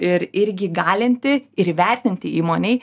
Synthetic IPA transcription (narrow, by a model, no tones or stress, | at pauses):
ɪɾɪɾʲɡʲɪɡɑːlʲɪnʲt̪ʲɪɪɾʋʲɛɾʲt̪ʲɪnʲt̪ʲɪiːmoːnʲɛɪ